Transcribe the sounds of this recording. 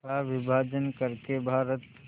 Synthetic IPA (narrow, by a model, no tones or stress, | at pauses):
aʋɪbʱaːd͡ʒənkəɾkebʱaːɾət̪